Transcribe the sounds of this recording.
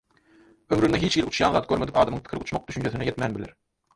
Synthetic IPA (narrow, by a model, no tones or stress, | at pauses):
øwɾynɛɦit͡ʃɡilut͡ʃʰjɑ̰nðɑːt̪̚ɡʲøɾmed̪ipɑːd̪ɑmɯŋp̪ʰkʰɪɾɪut͡ʃmɑq̚d̪yʃynt͡ʃʰeθinɛjet̪mænbɪlḛɾ